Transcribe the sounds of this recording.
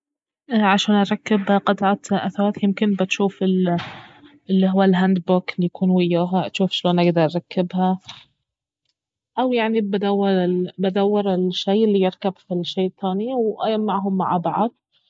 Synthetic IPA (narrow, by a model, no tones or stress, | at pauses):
ʔʕaʃaːnʔɑɾˤɑkːɪbhaqɑt̪ʕat̪ʔaθaɾˤaːt̪jɪmkɪnbɪt̪ʃuːfɪl | ʔɪlːiɦʊwːalɦand̪bʊkɪlːijakʰuːnwɪjːaːɦaʔat̪ʃuːfʃloːnʔaɡd̪ɑɾˤʔɑɾˤɑkːɪbɦa | ʔawjaʕnibad̪awːɑɾɪbad̪awːɪɾɪlʃejʔɪlːijɪɾkabfilʃːeːt̪ːaːniwʔa̰jamːaʕɦʊmːa̰ʕabaʕad̪̚